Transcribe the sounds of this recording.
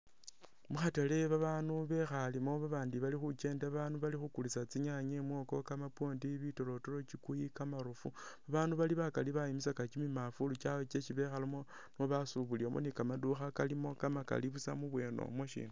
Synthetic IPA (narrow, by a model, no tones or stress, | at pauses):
muxatale̞βaβaːnuβe̞xalimo̞βaβaːndiβalixut͡ʃe̞ːndaββaːnuβalixukulisat͡siɲaɲemwo̞ko̞kamapondiβito̞lo̞tolo̞t͡ʃikujikamaɾufuβaβaːnduβaliβakaliβaimisakat͡ʃimimafulut͡ʃawet͡ʃet͡ʃiβe̞xalomo | noβasuβuliomo̰nikamaduxakalimo̞kamaka̰liβusa̰muβwe̞ːno̞̰mwoʃḭno